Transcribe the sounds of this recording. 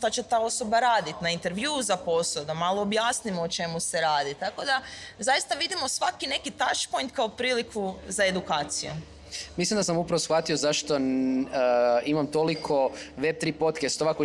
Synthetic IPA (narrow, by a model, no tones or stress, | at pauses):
ʃt̪at͡ɕe̞t̪aːo̞so̞baɾaːd̪it̪naint̪e̞ɾʋjuzapo̞sod̪amalˠoːbjaːsnimoot͡ʃe̞muse̞ɾaːd̪it̪ako̞d̪azajist̪aʋid̪imo̞sʋakine̞kit̪at͡ʃpo̞jnt̪̚kaopɾiːlikʰuzae̞d̪ukaːt̪sḭjṵ | mislimd̪asamupɾaʋosxʋat̪iozaʃt̪o̞ | imamt̪o̞likʰo̞ʋeb̚t̪ɾiːpo̞t̪kest̪oʋako